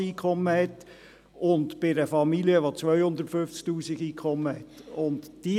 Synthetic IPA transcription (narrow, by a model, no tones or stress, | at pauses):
iːkʰɔmːəhɛt̪ | ʊntb̥ɪɾəfɑmiliəʋot͡sʋœʏhʊnd̪əɾtfʏft͡sk̚tuːsiɡiːkʰχɔmːəhɛt̪ʊntd̥i